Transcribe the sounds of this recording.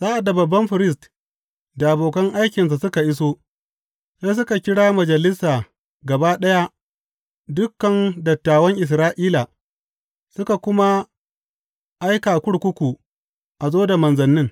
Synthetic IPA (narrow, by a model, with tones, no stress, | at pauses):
z̥aː˦ʔa˨da˨bɐ˨bːɐ˦mɸɪ˨ɾɪ˦s̬t | da˨ʔa˨boː˨kɐ˦ŋʔa˦jkʲɪ˨ns̬a˨sʊ˦ka˨ʔɪ˦soː˦ | se˦s̬ʊ˦ka˨kʲɪ˦ɽaː˦mɐ˨d͡ʒɐ˨lɪ˦saː˨ | ɡɐ˨baː˦ɗɐ˦ja˦ | dʊ˦kːɐ˨ndɐ˨tːaː˨wɐ˦ŋʔɪ˨s̬ɾaː˦ʔiː˦laː˨ | sʊ˦ka˨kʷʊ˦ma˦ | ʔa˦jkaː˨kʷʊ˦ɽkʷʊ˦kʷu˨ | ʔa˨zoː˦da˨mɐ˨nzɐ˨nːɪ˦ŋ